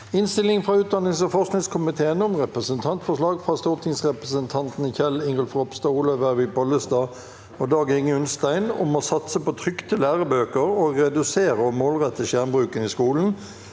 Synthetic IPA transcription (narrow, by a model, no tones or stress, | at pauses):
ɪnst̪ɪlɪŋfʁɑʉːt̪̚d̪ɑnːɪŋsɔfɔsknɪŋskʰʊmɪt̪ʰeːənʊmʁɛpʁəsənt̪ʰɑnt̪fɔʂlɑːɡfʁɑst̪uːʁt̪ʰɪŋsʁɛpʁəsənt̪ʰɑnt̪nçɛlɪŋʁəlfʁɔpst̪ɑːuːlɔʋæʋɪpɔləst̪ɑː | ɔd̪ɑːɡɪŋːəʉnst̪æɪnʊ̰mɔsɑt̪səpɔt̪ʰʁʏkt̪ʰəlæːʁəbøːkəʁoːɡʁɛd̪ʉseːʁəɔmːoːlʁɛt̪ːəʃæːʁnbʁʉːkənɪskuːln̩